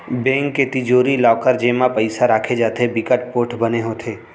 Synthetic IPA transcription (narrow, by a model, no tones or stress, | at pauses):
bẽːŋkːet̪ɪd͡ʒoːɾilaːkəɾd͡ʒeːmãpəɪsaɾaːkʰed͡ʒaːt̪ebɪkəʈpoːʈʰbəneɦoːt̪ʰeː